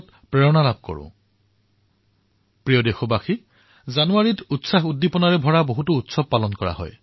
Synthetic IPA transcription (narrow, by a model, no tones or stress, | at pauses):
t | pɹeɹɔnalab̚ʱkɔ̰ɹʊ̰̃ | pɹijɔdexɔbaxi | zanuaɹitutsaxudːipɔnaɹɛbʱɔɹaboɦutuutsɔb̚palɔnkɔɹa̰ɦɔ̰j